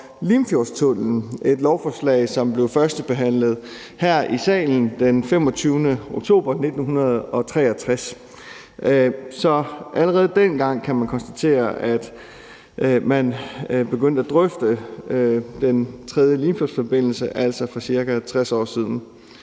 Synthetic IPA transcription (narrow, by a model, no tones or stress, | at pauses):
limfjost͡sʰɔn̰ln̩e̝d̥lɒʊfɒslɛ̰ɪsɒ̽mb̥le̝ʊfɶɐsd̥əb̥e̝ɦæn̰ləð̞̩ˠ | hæɐ̰ʔisɛ̰ːln̩d̥enfem̰ɒ̽t͡sʰyːʊnəo̝ɡ̥̚t͡sʰo̝̰ːb̥ɐne̝d̥n̩ɦunɐð̞̩ˠɒ̽t͡sʰʁɛːɐt͡sʰʁas | sɒ̽ʔæləʁɛːð̞̩ˠd̥enɡ̥ɑ̈ŋ̰kʰæmænkʰɒ̽nsd̥æt͡sʰe̝̰ːɐʔæd̥ | ʔmænb̥e̝ɡ̥øn̰d̥əæd̥ʁœfd̥ə | d̥ent͡sʰʁɛð̞ˠjəliːmfjo̝sfɒb̥e̝n̰l̩səʔæl̰sɒ̽fʁɑ̈siɐɡ̥æt͡sʰʁasɒ̰ːsið̞ˠn̩